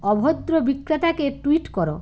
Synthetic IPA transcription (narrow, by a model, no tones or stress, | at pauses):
ɔbʱod̪ɾobikɾat̪akeʈwiʈkɔɾo̰